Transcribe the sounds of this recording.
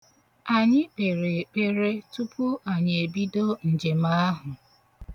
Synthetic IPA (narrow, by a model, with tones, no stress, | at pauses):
a˨ɲɪ˦k͡pe˨ɾe˨k͡pe˦ɾe˦tu˦pʰʊ˦a˨ɲe˨bi˦do˦n̩˨d͡ʒe˨ma˦a˦ɦʊ˨